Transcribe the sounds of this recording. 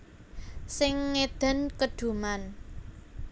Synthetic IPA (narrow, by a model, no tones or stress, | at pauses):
sɪŋːed̪̥ə̤nkəɖ̥ṳman